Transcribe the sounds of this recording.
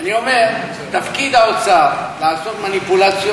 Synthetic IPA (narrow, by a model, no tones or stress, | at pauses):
anio̞meʁ | t̪afkid̪aot͡salaːso̞t̪manipulat͡sj